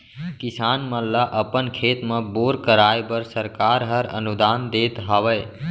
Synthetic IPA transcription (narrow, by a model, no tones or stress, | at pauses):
kisaːnməlːəʔəpənkʰet̪mə̃boːɾkəɾaebəɾsəɾkaːɾɦəɾə̰nud̪aːnd̪et̪ɦəʋəj